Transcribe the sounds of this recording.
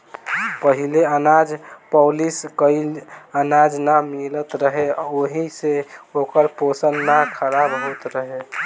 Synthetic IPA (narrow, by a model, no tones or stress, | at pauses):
pəɦileənad͡ʒpəliskəɪənad͡ʒnamilət̪ɾəɦeoɦiseokəɾposənːakʰəɾabɦot̪ɾəɦe